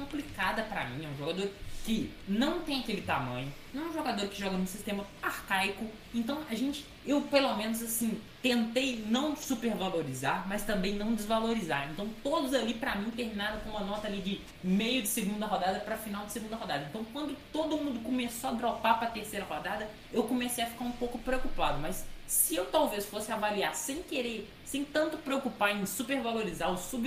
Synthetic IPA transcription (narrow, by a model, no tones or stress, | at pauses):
kõmplikad̪ɐpɾɐ̰mĩɛũʒoɡad̪oɾkɪnɐ̃w̃t̪ẽj̃akelɪt̪amɐ̰̃ɲʊnɐ̃w̃ɛ̃ʒoɡad̪oɾkɪʒɔɡɐnʊ̃sist̪ẽmɐ | aɾkajkʊ | ẽnt̪ɐ̃w̃aʒẽnt͡ʃɪ̥ | ewpelomẽnʊzasĩ | t̪ẽnt̪ejnɐ̃w̃supeɾvaloɾizaɾmɐst̪ɐ̃mbẽj̃nɐ̃w̃d͡ʒɪzvaloɾizaɾẽnt̪ɐ̃w̃t̪od̪ʊzalipɾɐmĩt̪eɾminaɾõkõũmɐnɔt̪ɐalid͡ʒɪ | mejʊd͡ʒɪseɡũd̪ɐɦɔd̪ad̪ɐpɾɐfinawd͡ʒɪseɡũnd̪ɐɦɔd̪ad̪ɐẽnt̪ɐ̃w̃kwɐ̃nd̪ʊt̪od̪ʊmũnd̪ʊkomesoad̪ɾɔpaɾpɾɐt̪eɾsejɾɐhɔd̪ad̪ɐ | ewkomesejɐfi̥kaɾũpowkʊpɾeokupad̪ʊmɐsːɪewt̪awvesfosɪavaliaɾsẽj̃keɾe | sẽj̃t̪ɐ̃nt̪ʊpɾeokupaẽj̃supeɾvaloɾizaɾʊsub